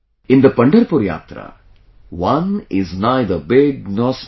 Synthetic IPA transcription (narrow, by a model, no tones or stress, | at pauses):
ɪ̃nd̪ɐpɐɳɖɐɾpuɾja̰ːt̪ɾɐ̰ | ʋɐ̃nɪznaɪd̪əɾbɪɡnɔːs